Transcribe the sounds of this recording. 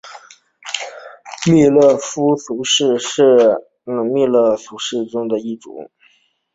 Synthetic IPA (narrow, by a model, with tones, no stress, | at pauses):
mi˥˧lɤ˥˩fu˥su˧˥ʂɻ̩˥˧ʂɻ̩˥˩ | nɤ˧˩ŋmi˥˧lə˥˩su˧˥ʂɻ̩˥˩ʈ͡ʂʊ˥ŋd̪ə˨i˥˩ʈ͡ʂṵ˨˧˩